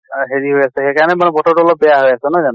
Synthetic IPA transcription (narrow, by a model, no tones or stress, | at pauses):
ɦeɹiɦojasɛxekaɹnɛmanɛbɔtɔtuɔlɔp̚bɛjaɦojasɛnɔzanɔ